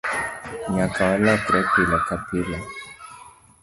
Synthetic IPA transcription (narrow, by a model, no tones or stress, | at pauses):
ɲakawalakɾɛkilakapila